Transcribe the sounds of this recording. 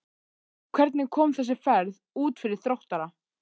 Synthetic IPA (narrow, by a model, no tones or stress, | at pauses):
kʰv̥ɛɾt̪nɪkʰɔːmθɛs̬ɪfɛɾð | uːt̪fɪɾɪɾ̥θɾowht̪aɾa